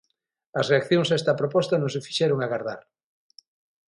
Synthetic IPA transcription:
ɐsreakθjoŋsɛst̪ɐpɾopɔst̪ɐnõŋsefi̥ʃɛɾoŋaɣaɾða̰ɾ

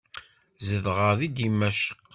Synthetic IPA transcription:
zəðʁəðid̪imæʃə̥qː

